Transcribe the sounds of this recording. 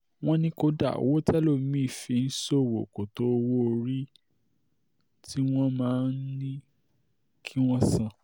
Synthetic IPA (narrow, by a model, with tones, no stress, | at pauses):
w̃ɔ̃˦nĩ˦ko˧da̰˦˨wo˦tɛ˦lo˦˨˦mĩ˦˨fi˨˧n̩˦so˦˨wo̰˨ko˨to˨˦o˧wo˦o˧ɾi˦ | tʰi˦w̃ɔ̃˦mãː˨˦n̩˦nĩ˦ | kʰi˦w̃ɔ̃˦sã˦˨